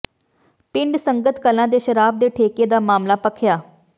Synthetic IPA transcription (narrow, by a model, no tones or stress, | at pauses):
pɪɳɖsə̃ŋɡət̪kəlãd̪eːɕəɾaːbd̪eːʈʰeːked̪aːmaːmlapəkʰjaː